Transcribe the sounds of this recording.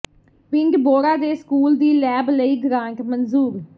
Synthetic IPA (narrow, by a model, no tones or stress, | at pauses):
pɪŋɡboːɾaːd̪eːskuːld̪iːlɛːbləiːɡɾãːɳʈmənzuːɾ